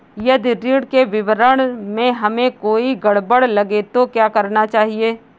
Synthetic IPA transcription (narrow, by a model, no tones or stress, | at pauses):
jɐd̪iɾiːɽkeʋɪʋəɾəɽ̃mẽɦɐmẽkoːiɡɐɽbəɽlɐɡet̪okjaːkɐɾnat͡ʃaːɦieː